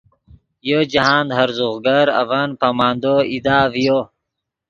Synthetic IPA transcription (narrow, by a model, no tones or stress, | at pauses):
jod͡ʒaɦaːnd̪ɦaɾzuɣɡaɾa̰vanpamaːnd̪oid̪aːvjo